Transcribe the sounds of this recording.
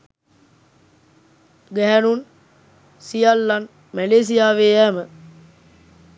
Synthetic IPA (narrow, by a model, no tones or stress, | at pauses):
ɡæɦænun | sijalːan | mæleːs̬ijaːʋeːæmə